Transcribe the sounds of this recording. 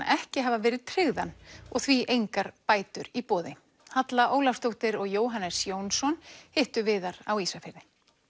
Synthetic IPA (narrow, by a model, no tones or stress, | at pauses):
ɛhcɪɦavavɛːɾɪð̥t̪ʰɾɪɣðanɔɣθviʔejŋkaɾ̥paːjt̪ʏɾipɔːðɪ | hat̪laʔoːwlafst̪owht̪ɪɾɔɣjoːwɦanːɛɾ̥sjoːwnsɔnhɪht̪ʏvɪːðaɾ̥awiːsafɪɾðɪ